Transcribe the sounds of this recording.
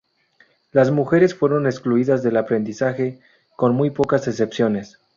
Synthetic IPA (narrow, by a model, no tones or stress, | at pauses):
lazmuxe̞ɾe̞sfwe̞ɾo̞neskluiðazðe̞lapɾe̞nd̪isaxe̞ | ko̞nmujpo̞kaze̞se̞psjo̞ne̞s